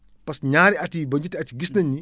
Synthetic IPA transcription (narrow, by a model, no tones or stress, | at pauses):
pɐsɲaːɾiɐtibɐɲd͡ʒitiɐtiɡisnɐɲːi